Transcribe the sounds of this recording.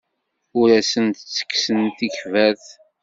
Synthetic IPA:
ʊɾæsənt̪ət͡sːə̥kːsənt̪içvæθ

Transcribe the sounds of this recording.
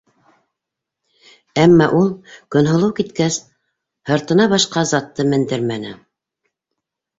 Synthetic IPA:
æmːɑʔulˠkɵ̆nɦŏlˠɤwkit̪kæs | hɤ̆ɾt̪ɤ̆nɑβɑʃqɑzɑt̪ːɤmɘ̆nd̪ɘɾmænɘ̰

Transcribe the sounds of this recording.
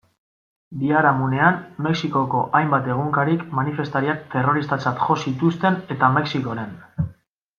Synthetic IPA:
biaɾamune̞anme̞ksiko̞ko̞ʔajmbat̪e̞ɣ̞uŋkaɾikmanife̞st̪aɾiak̚t̪e̞ro̞ɾist̪at͡sat̪ʝo̞sit̪ust̪e̞ne̞t̪ame̞ksiko̞ɾe̞n

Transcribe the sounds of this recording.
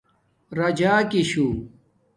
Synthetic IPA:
ɾɐd͡ʑaːkiɕuː

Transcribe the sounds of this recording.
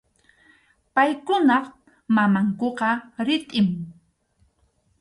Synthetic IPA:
pajkʊnɑq | mamaŋkoqɑɾɪt̪ʼɪm

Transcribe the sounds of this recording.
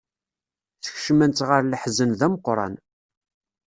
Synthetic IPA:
θəçʃmænt̪ʁəɾləħzənðæməqːɾˤɑ̰n

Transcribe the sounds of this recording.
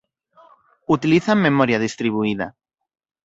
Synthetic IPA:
ut̪iliθaŋmemɔɾjaðist̪ɾiβ̞uið̞a̰

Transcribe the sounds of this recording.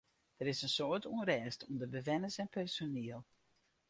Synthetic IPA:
d̥əɾɪsənsoətuənrɛːstuəndəbəʋɛnəsɛnpɛrsoniəlˠ

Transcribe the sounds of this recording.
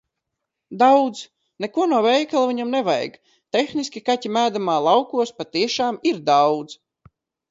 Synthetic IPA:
d̪awd̪z | nɛkuɔnuɔvɛjkalˠviɲamnɛva̰jɡ | t̪exnisʲkʲikatʲimæːd̪amaːlˠɑwkuɔspat̪iɛʃaːmiɾd̪awd̪z̥

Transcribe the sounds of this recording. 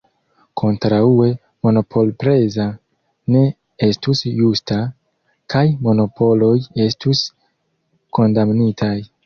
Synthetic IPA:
kʰo̞ntɾaue̞ | mo̞no̞pʰo̞lpɾe̞za | ne̞ | e̞stusjusta | kajmo̞no̞pʰo̞lo̞je̞stus | ko̞ndamnitʰaj

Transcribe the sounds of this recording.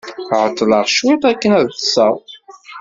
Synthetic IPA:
ʕət̪ˤːlɑʁʃwit̪ˤækːənæðθəsˤɑw

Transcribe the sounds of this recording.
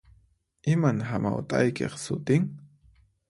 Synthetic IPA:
ɪmanɦamawt̪ʼajkḛχsʊt̪ɪŋ

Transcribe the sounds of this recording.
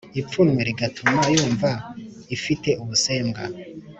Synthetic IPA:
ipp͡funweɾiɡatʰumajuːɱva | ifite̞ʔuβuse̞ːmɡa

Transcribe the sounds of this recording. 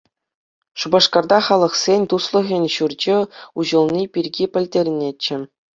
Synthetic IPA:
ʂubɑʂkɑrd̪ɑχɑlˠɤ̆χsʲenʲt̪uslˠɤ̆ɣʲɘ̆nʲɕurd͡ʑɘ̆uʑɤ̆lˠnʲipʲirʲɡʲipʲɘ̆lʲdʲerʲnʲet͡ɕːɘ̆

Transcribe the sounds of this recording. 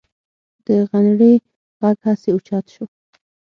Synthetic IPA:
d̪̥əɣanɽi | ɣaɡhaseut͡ʃɑt̪ʃu

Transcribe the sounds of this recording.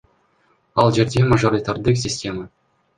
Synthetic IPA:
ɑlˠʑerʲdʲemaʐoɾʲit̪ʲard̪ɯks̬ʲisʲtʲema

